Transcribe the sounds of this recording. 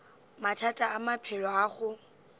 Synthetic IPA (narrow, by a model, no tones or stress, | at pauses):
matʰatʼaːmapʰɛlɔaːχʊ